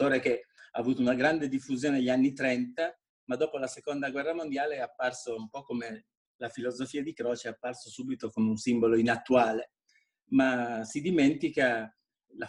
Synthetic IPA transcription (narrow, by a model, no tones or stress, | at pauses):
oːɾekeaːvuːt̪ounaɡɾand̪ed̪ifːuzjoːneaʎːanːit̪ɾɛnt̪a | mad̪ːoːpolasekond̪aɡwɛrːamond̪jaːleapːarsoumpɔkːome | lafilozofiːad̪ikɾoːt͡ʃeapːarsosuːbit̪okomeunsimboloinat̪ːuaːle | masid̪iment̪ika | la